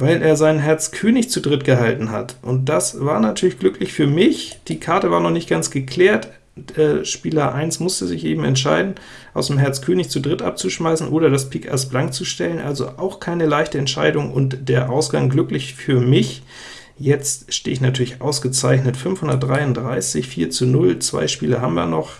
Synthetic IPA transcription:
vaɪlʔeːɐzaɪnɦɛɐt͡skʰøːnɪçt͡sudʁɪtɡ̥əɦaltn̩ɦa̰tʔʊnt̚d̥asv̥aːɐnatʰyːɐlɪçɡ̥lʏklɪçfyːɐmɪçd̥iːkʰaɐtəvaːɐnɔχnɪçt̚ɡ̥ant͡sɡ̥əkʰl̥ɛːɐt | ɛʃpiːlɐʔa̰ɪnsmʊstəzɪçʔḛːbm̩ɛ̰ntʃaɪdn̩ | ʔaʊsd̥emɦɛɐt͡stkʰøːnɪçt͡sudʁɪtʔap̚t͡suʃmaɪsn̩ʔoːɾɐdaspʰiːkɛ̰ɐsb̥laŋk̚t͡suʃtɛlənʔalzo̰ʔaʊxkʰaɪnəlaɪçtəɛntʃa̰ɪdʊŋʔʊ̰ntd̥eːɐʔaʊsɡ̥aŋɡlʏklɪçfyːɐmɪç | jɛt͡stʃtḛːɪçnatʰyːɐlɪçʔa̰ʊsɡ̥ət͡saɪçnətfʏnfhʊndɐt̚d̥ʁaɪʊndʁaɪsɪçfiːɐt͡sunʊlt͡sv̥a̰ɪʃpiːlɐhabmda̰nɔχ

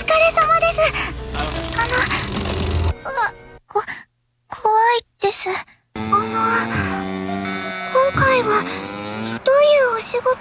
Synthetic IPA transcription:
ɨ̥kaɾesamad̪e̞sɨ | ano | ko | kʰoβaid̪̥e̞sɨ | anoa | kʰõ̞ŋkaiβa | d̪̥oːjɯ̟ːoɕiɡo̞

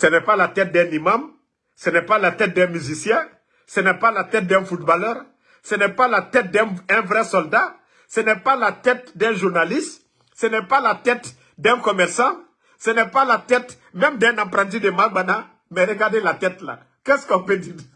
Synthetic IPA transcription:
sɛnɛpalat̪ɛt̪̚d̪ɛ̃nimãm | sɛnɛpalat̪ɛt̪̚d̪ɛ̃myzisjɛ̃ | sɛnɛpalat̪ɛt̪̚d̪ɛ̃fut̪balœʁ | sənɛpalat̪ɛt̪̚d̪ɛ̃ɛ̃vʁɛsɔld̪a | sənɛpalat̪ɛt̪̚d̪ɛ̃ʒuʁnalist̪ | sənɛpalat̪ɛt̪ | d̪ɛ̃kɔmɛʁsɑ̃ | sənɛpalat̪ɛt̪ | mɛ̃md̪ɛ̃nãpɾãt̪id̪emaɡ͡bana | mɛɾəɡaʁd̪elat̪ɛt̪la̰ | kɛskɔ̃pød̪id

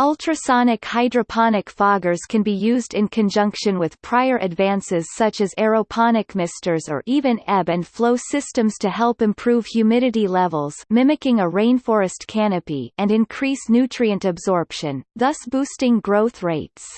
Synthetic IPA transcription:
ʌlˠtʰɹ̥ɨsɑnɨkhaɪdɹɨpʰɑnɨkfɑɡə˞z̥kʰɨ̃nbijʉzdɨ̃nkʰɨ̃nd͡ʒʌ̃ŋkʃɨ̃nwɨð̥pʰɹ̥aɪə˞ʔɨdvæ̃nsɪz̥sʌt͡ʃɨzɛɹoʊpʰɑnɨkmɪstə˞zə̰˞ʔivɨ̃nɛbɨ̃nfloʊsɪstɨ̃mz̥tʰɨhɛlˠpɨ̃mpʰɹ̥uv̥hjʉmɪɾɨɾilɛvəl̩ˠz̥mɪ̃mɨkɪ̃ŋəɹẽɪ̃nfɔɹɨstkʰænɨpiɨ̃nɨ̃nkʰɹ̥isnʉtʰɹ̥iɨ̃ntɨbzɔɹpʃɨ̃nðʌsb̥ustɪ̃ŋɡɹoʊθɹeɪts

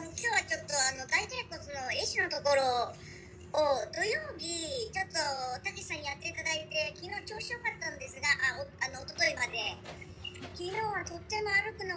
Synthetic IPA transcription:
mokʲoːβat͡ɕo̞t̪ːo̞ano̞d̪ait̪ajkosono̞eɕino̞t̪o̞ko̞ɾo̞ː | d̪o̞joːbʲit͡ɕo̞t̪ːo̞t̪akei̥sãɲ̟ijat̪ːe̞it̪ad̪ait̪e̞kʲino̞ːt͡ɕo̞ːɕio̞kat̪ːãnd̪e̞sɨɡaʔaoano̞ːt̪ot̪o̞imad̪e̞ | kʲino̞ːβat̪o̞t̪ːe̞mo̞aɾɯ̟kɯ̟na

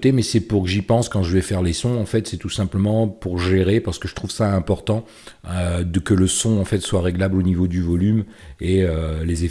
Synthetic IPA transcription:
t̪emɛsɛpuʁkəʒipɑ̃skɑ̃ʒəvɛfɛʁlesɔ̃ɑ̃fɛt̪sɛt̪usɛ̃pləmɑ̃puʁʒeʁepaʁsə̥kəʒə̥t̪χuvsaɛ̃pɔʁt̪ɑ̃ | ød̪əkələsɔ̃ɑ̃fɛt̪swaʁeɡlablonivod̪yvɔlym | eøleze

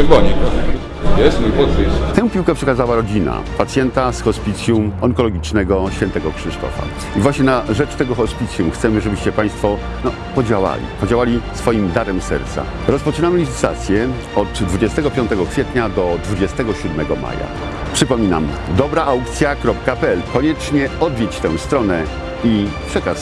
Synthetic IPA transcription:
ɛbɔɲɛkɔ | jɛsmujpɔɨst̪ɛ̃w̃pʲiwkɛpʂɛkazawaɾɔd͡ʑina̰pat̪sʲjɛnt̪asxɔspʲit̪sʲjumɔŋkɔlɔɡʲit͡ʂnɛɡɔɕfʲjɛnt̪ɛɡɔkʂɘʂt̪ɔ̰fa̰ | ivwaɕɲɛnaʐɛt͡ʂt̪ɛɡɔxɔspʲit̪sʲjumxt̪sɛmɘʐɛbɘɕt͡ɕɛpaj̃st̪fɔ | nɔ | pɔd͡ʑawa̰lʲḭpɔd͡ʑawalʲisfɔjimd̪aɾɛmsɛ̰ɾt̪sa̰ | ɾɔspɔt͡ʂɘnamɘlʲit̪ɘ̥t̪t̪a̰t̪sʲjɛ | ɔd̪d̪vud͡ʑɛst̪ɛɡɔpʲjɔ̃nt̪ɛɡɔkfʲjɛt̪ɲad̪ɔd̪vud͡ʑɛst̪ɛɡɔɕud̪mɛɡɔma̰ja̰ | pʂɘpɔmʲina̰m | d̪ɔbɾaʔawk̚t̪sʲjakɾɔpkapɛɛlkɔɲɛt͡ʂɲɛɔd̪vʲjɛt͡ɕt̪ɛ̃w̃st̪ɾɔnɛ | ipʂɛkaʂ

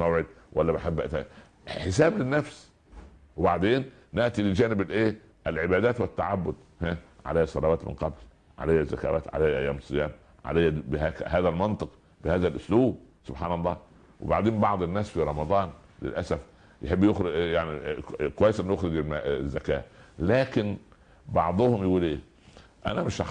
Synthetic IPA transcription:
mæwʕed̪̚wʔælːæbaħebːæʔt̪æ | ħesæːblɪnːæfs | webaʕd̪eːnː | eʔt̪iled͡ʒæːnɪblʔeː | ʔælʕebæːd̪æːt̪wet̪ːaʕabːʊd̪ | hæʕa̰læjæsˤɑlɑwæːt̪mɪ̰nqɑbl | ʕa̰læjːæzːæ̰kæ̰ːwæ̰ːt̪ʕa̰læjːæʔæjːæːmsˤːɨjæːm | ʕa̰læjːæbehæːkhæːðælmɑnt̪ˤɨq | bɪhæːðælʔʊsluːb | sʊbħaːnɑlˤːɑː | wḛbaʕd̪eːmbɑʕd̪ˤenːæːsfiɾˤɑmɑd̪ˤɑːn | lḛlʔæsæf | jeħebːjoxɾjaʕnikowæjːesʔnːujoxɾɪɡelmæzːækæːlæːkɪn | bɑʕd̪ˤohʊmjeɡuːlʔeː | ʔæ̰næmɪʃʔɑ

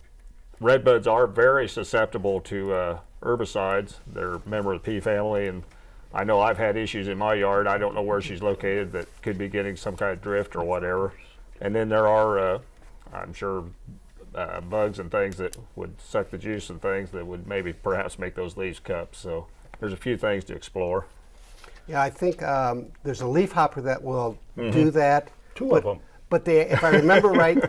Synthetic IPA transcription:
ɹɛd̚bʌdzə˞vɛɹisɨsɛp̚təbl̩ˠtʰɨʌʔɜ˞bɨsaɪdz̥ðə̰˞mɛ̃mbə˞ʌðpʰifæ̃mliɨ̃n | ʔa̰ɪnoʊaɪv̥ɨɾɪʃʉzɨ̃nmaɪjɑɹɾaɪɾõʊ̃nːoʊwə˞ʃizloʊkʰeɪɾɨd̪̚ðɨt̚kʰɨd̚biɡɛɾɪ̃ŋsʌ̃mkʰãɪ̃nddɹɪftə˞wʌɾɛvə˞ | ʔɨ̰̃nðɨ̃nðə˞ə˞ʌ | ã̰ɪ̃mʃʊɹ | ʌ̰bʌɡzɨ̃nθɪ̃ŋzðɨt̚wə̰d̥̚sʌk̚ðɨd͡ʒʉsnθɪ̃ŋzðɨt̚wəd̚meɪbipʰə˞hæ̰psmeɪk̚ðoʊzliv̥kʰʌpsoʊ | ðə˞zəfjʉθɪ̃ŋz̥tʰɨ̰ɨ̰ksplɔɹ | jæaɪθɪ̃ŋkʌðə˞zəlifhɑpʰə˞ðɨʔwɪlˠdɨðæt̚tʰuʌvə̃m | b̥ʌt̪̚ðiɪfaɪɹɹɨmɛ̃mbə˞ɹaɪt̚

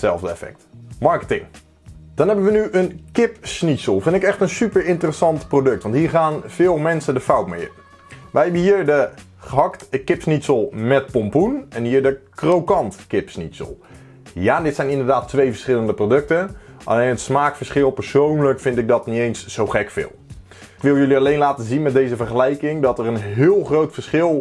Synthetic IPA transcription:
sɛlˠvdəɛ̰fɛ̰k̚tmɑɹkətɪŋ | d̥ɑnɦɛbənʋənyʔənkɪpsnitsəlˠfɪndɪkɛχtənsypəɹɪntərəsɑntprowdɵk̚tʋɑntɦiːɹχaːnv̥ɪːlˠmɛnsədəfʌwtmḛj | ʋɛjɦɛbəɦiːɹdə | χəɦɑktkɪpsnitsəlˠmɛt̚pɔmpunɛnɦiːɹdəkrowkɑntkɪpsnitsə̰lˠ | jaːdɪtsɛjnɪndəɹdaːtːʋejvəɹsχɪləndəprodɵk̚tənʔɑ̰lejnɦətsmaːkfəɹsχɪlˠpəɹsownləkfɪntɪɡ̚dɑtnitejnsz̥owχɛkfɪ̰lˠ | kʋɪlˠjɵliɑlejnlaːtəzinmɛt̚dejzəvəɹχəlɛjkɪŋdɑtɛrənɦɪːlˠχrowtfəɹsχɪlˠ

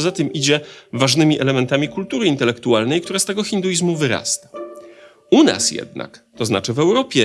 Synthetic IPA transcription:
zat̪ɘmid͡ʑɛvaʐnɘmʲiʔɛlɛmɛnt̪amʲikult̪uɾɘint̪ɛlɛkt̪ualnɛjkt̪uɾast̪ɛɡɔxʲind̪ujizmuvɘɾa̰st̪ḁ | una̰sjɛ̰d̪na̰kt̪ɔzna̰t͡ʂɘvɛwɾɔpʲjɛ

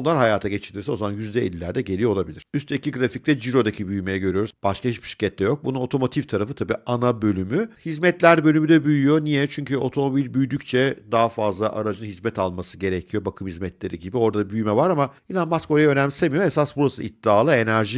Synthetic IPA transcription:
onlˠaɾɦajaːt̪ʰaɟet͡ʃʰiɾlʲiɾsɛo̞zamanjyzd̪ɛḛlʲilːʲæɾd̪ɛɟelʲijo̞lˠabilʲḭɾyst̪ecʰiɡɾafic̚t̪ɛd͡ʒiɾo̞d̪acʰibyjmejɛɟø̞ɾyjo̞ɾuzb̥aʃkahit͡ʃbi̥ʃi̥ɾcʰɛt̪ːɛjo̞k̚bununo̞t̪ʰo̞mo̞t̪ʰift̪ʰaɾafɯt̪ʰabiːanabø̞lʲymyhizmɛt̪lʲæɾbø̞lʲymyd̪ɛbyjyjo̞nijɛt͡ʃʰyɲcyo̞t̪ʰo̞mo̞bilʲbyjd̪yct͡ʃʰɛd̪aɦafazlˠaʔa̰ɾad͡ʒɯnɦizmɛt̪ʰalˠmasɯɟe̞ɾecʰijo̞bakʰɯmhizmɛt̪lʲe̞ɾiɟibio̞ɾd̪abyjmɛvaɾamailʲˠanmasko̞ɾajɛø̞næmsemijo̞esasbuɾasɯit̪ːiaːlˠɯe̞næɾʒi

